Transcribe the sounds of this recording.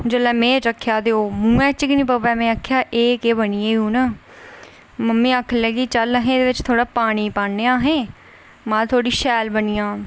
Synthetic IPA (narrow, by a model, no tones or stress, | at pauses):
d͡ʒəlɛːmẽːɾəkʰːjaːd̪eːoːmũːɛ̃ːt͡ʃkinĩːpəpɛːmɛ̃ːakʰjaːʔeːkeːbəniːeːũːnaː | məmːĩːaːkʰlɛːɡiːt͡ʃələɦẽːd̪eːʋɪt͡ʃt̪ʰoːɽaːpaːɽ̃iːpaːeːãːɦẽː | mãːt̪ʰoːɽiːʃɛːlbəniːãː